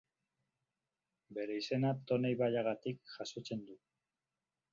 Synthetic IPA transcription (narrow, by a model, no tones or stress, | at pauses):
be̞ɾe̞ise̞nat̪o̞nejβaʎaɣat̪ikʝasot͡se̞nd̪u